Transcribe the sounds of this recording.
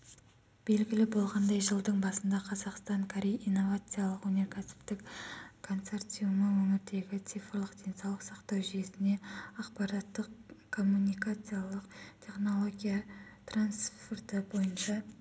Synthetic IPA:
b̥e̞lɡʲɪlɪbo̞lˠʁɑnd̪ɑjʒəlˠd̪əɴbɑsənd̪ɑqʰɑzɑqst̪ɑɴkʰoɾʲejijnːo̞vat̪sɨjalˠəqwɵne̞ɾkʲʰæsɪ̥pt̪ɪkkʰːo̞nt̪se̞rt̪sijuməwɵmɪɾt̪e̞ɡʲɪt̪sifrlˠəqd̪̥ʲe̞nsɑwlˠəqsɑqt̪ɑwʒije̞sɪne̞ɑqpɑɾat̪ːəqkʰo̞mːunʲijkat̪sɨjalˠəqt̪ʲʰe̞χno̞lˠo̞ɡʲijat̪ransfort̪əbo̞jənʃɑ

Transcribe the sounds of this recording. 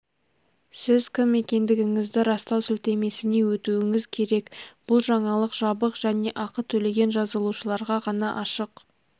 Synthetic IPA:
sɪzkʲʰɪmːe̞kʲe̞nd̪ɪɡʲɪŋɪzd̪ɪɾɑst̪ɑwsʏlt̪e̞me̞sɪne̞wɵt̪uwɪŋɪzkʲʰe̞ɾe̞kb̥ʊlˠʒɑɴɑlˠəqʒ̥ɑbəqʒ̥æne̞ʔɑqət̪ʰɵle̞ɡʲe̞nʒɑzəlˠuʃəlˠɑɾʁɑʁɑnɑʔɑʃəq

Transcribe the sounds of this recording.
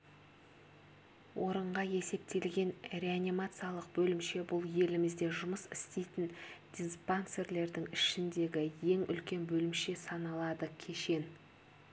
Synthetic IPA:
wʔo̞ɾəɴʁɑje̞se̞p̚t̪e̞lɡʲe̞nɾʲe̞anʲimat̪sɨjalˠəq̚bɵlɪmʃe̞bʊlˠje̞lɪmɪzd̪e̞ʒʊməsɪ̥st̪ejt̪ɪnd̪̥ʲinspanse̞rle̞ɾd̪ɪŋɪʃɪnd̪e̞ɡʲɪje̞ŋʏ̰lkʲe̞nbɵlɪmʃe̞sɑnɑlˠɑd̪əkʲʰe̞ʃe̞n

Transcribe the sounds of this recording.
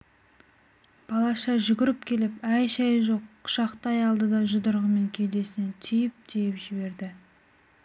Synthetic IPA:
b̥ɑlˠɑʃɑʒʏɡʲɪɾɪp̚kʲʰe̞lɪpæjʃɑjʒo̞qʰːʊ̥ʃɑqt̪ɑjɑlˠd̪əd̪ɑʒʊd̪əɾʁəme̞ŋkʲʰe̞jd̪e̞sɪnɪt̪ʰʏjɪp̚t̪ʰejɪpʒɪbe̞ɾd̪ɪ

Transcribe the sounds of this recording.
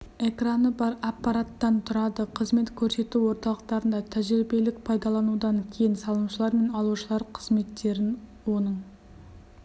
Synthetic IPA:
e̞kranəbɑɾɑpːɑɾat̪ːɑnt̪ʰʊɾɑd̪əqʰəzme̞t̪kʲʰɵɾse̞t̪uwo̞ɾt̪ɑlˠəq̚t̪ɑɾənd̪ɑt̪ʰæʒɾibe̞lɪk̚pʰɑjd̪ɑlˠɑnud̪ɑŋkʲʰe̞jɪnsɑlˠəmʃəlˠɑɾme̞nɑlˠuʃəlˠɑɾqʰəz̥me̞t̪ːe̞ɾɪnwo̞nəɴ

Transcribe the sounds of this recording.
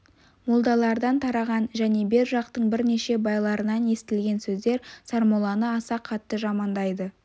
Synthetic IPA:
molˠd̪ɑlˠɑɾd̪ɑnt̪ʰɑɾɑʁɑnʒæne̞be̞ɾʒɑq̚t̪əɴbɪɾne̞ʃe̞bɑjlˠɑɾənɑne̞st̪ɪlɡʲe̞nsɵzd̪e̞ɾsɑɾmolˠɑnəɑsɑqʰɑt̪ːəʒɑmɑnd̪ɑjd̪ə

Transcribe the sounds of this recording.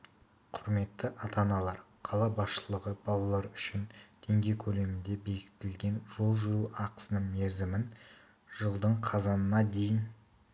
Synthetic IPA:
qʰʊɾme̞t̪ːɪʔɑt̪ɑnɑlˠɑɾ | qʰɑlˠɑbɑsʃəlˠəʁəb̥ɑlˠɑlˠɑɾʏʃɪnd̪̥ʰe̞ŋɡʲe̞jkʲʰɵle̞mɪnd̪e̞be̞kʲɪ̥t̪ɪlɡʲe̞nʒo̞lˠʒʏɾuɑqə̥sənəɴmeɾzɪmɪn | ʒ̥əlˠd̪əɴqʰɑzɑnənɑd̪e̞jɪn

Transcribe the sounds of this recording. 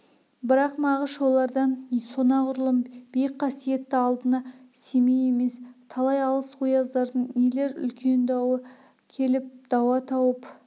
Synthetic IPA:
bɪɾɑqmɑʁəʃo̞lˠɑɾd̪ɑnso̞nɑʁʊɾlˠəmb̥ejqʰɑsije̞t̪ːɪɑlˠd̪ənɑse̞meje̞me̞st̪ʰɑlˠɑjɑlˠəsqujɑzd̪ɑɾd̪əɴnele̞ɾʏ̰lkʲʰe̞nd̪ɑwə | kʲʰe̞lɪp̚d̪̥ɑwɑt̪ʰɑwəp

